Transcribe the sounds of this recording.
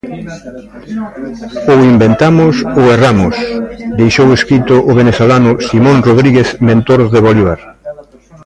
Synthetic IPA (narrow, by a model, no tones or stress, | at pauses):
oimbent̪amʊsoeramʊsd̪ejʃoweskɾit̪ʊʔʊβenesolanʊsimõnroðɾiɣeθmẽnt̪oɾðeβoliβaɾ